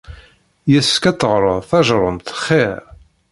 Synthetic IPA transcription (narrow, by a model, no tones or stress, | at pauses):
jæskæt͡sːəʁɾˤəðˤθæʒɾˤəmt̪χːeɾ